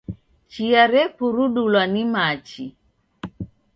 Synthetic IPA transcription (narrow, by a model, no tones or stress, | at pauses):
t͡ʃiaɾɛpuɾuɗulwanimat͡ʃi